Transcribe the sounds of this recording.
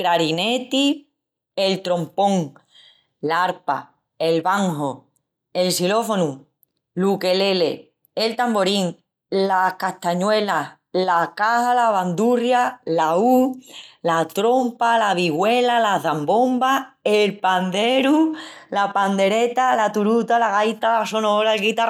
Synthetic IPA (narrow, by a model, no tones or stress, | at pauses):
kɾaɾinet̪i | elt̪ɾo̞mpõ̞ŋ | laɾpa̰ | e̞lβaŋɦo | e̞lsilo̞fonũ | luke̞le̞lḛ | elt̪ambo̞ɾiŋ | lahkaht̪aɲwe̞la | lakahalaβand̪urjalaulat̪ɾo̞mpalaβiɣwe̞lalaðambo̞mbaelpand̪e̞ɾulapand̪e̞ɾe̞t̪alat̪uɾut̪alaɣajt̪alaso̞noɾaelɣit̪ar